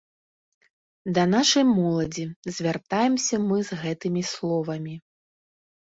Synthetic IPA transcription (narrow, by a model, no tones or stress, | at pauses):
d̪ɐn̪aʂɐjmɔlˠɐd͡zʲizʲvʲart̪ajɛmsʲɐmɨzɣɛt̪ɨmʲislˠɔvɐmʲi